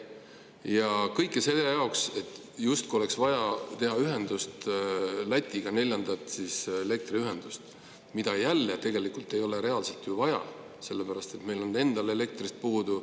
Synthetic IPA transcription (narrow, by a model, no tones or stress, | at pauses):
jɑkɤjkːˑeseejɑokse̞t̪ːˑ | just̪̚kuole̞ksvɑjɑt̪e̞ɦɑyɦe̞nd̪̥ust̪læt̪ʲːˑiɡ̥ɑne̞lʲjɑnd̪̥ɑt̪siːsele̞k̚t̪riyɦe̞nd̪̥ust̪ | mid̪̥ɑjælːet̪e̞ɡe̞likult̪ːˑe̞jo̞le̞ɾe̞ɑlselt̪juvɑjɑ̰ | se̞lːepæɾɑst̪e̞t̪me̞jlo̞nːe̞nd̪̥ɑle̞le̞k̚t̪rist̪̚puːd̪u